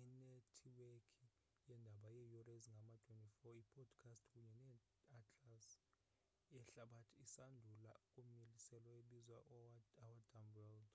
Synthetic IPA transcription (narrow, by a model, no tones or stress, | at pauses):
inetʰiwekʰi | jɛndʱaɓajɛjɔreziŋɡʱamatʰwentʼifɔipʰɔd̥kʰastʰkʼuɲɛnɛ | atʰʼas | ɛɬaɓatʰiːsandʱulaukʼumelisɛlwaeɓizwaʔawadʱamwɛld